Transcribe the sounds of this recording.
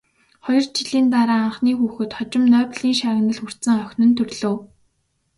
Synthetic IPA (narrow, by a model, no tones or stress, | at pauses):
χɔjɞ̆rt͡ɕiɮiːnt̪aɾaːaɴχniːxuːxɘ̆t̪χɔt͡ɕɪ̆mnœːpɮiːŋʃaːɣ̆nə̆ɮxur̥t̪sɘ̆ŋœxʲnɵ̆nt̪ʰɵrɮoː